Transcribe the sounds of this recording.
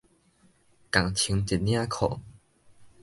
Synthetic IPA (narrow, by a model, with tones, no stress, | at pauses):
ka˨˩ŋt͡ɕʰi˨˧˦ŋt͡ɕi˨˩t̚nj̃ã˦kʰo̰˨˩˨